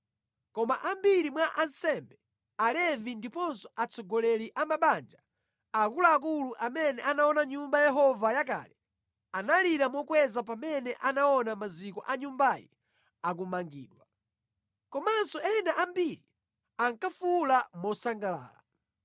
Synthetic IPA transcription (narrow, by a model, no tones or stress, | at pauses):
kɔmaʔambiɾimwaʔansɛmbɛ | alɛvindipɔnsɔ̥at͡sɔɡɔlɛliʔamaɓand͡ʒa | akulaːk̬uluʔamɛnɛʔanaɔnaɲumbajɛɦɔvajak̬a̰ːlɛ | analiɾamɔkwɛzap̬amɛnɛʔanaɔnamazikɔʔaɲumbajḭ | ak̬umaŋɡḭːɗwa | kɔmansɔɛnaʔambiɾi | aŋkafulamɔsaŋɡala̰ːla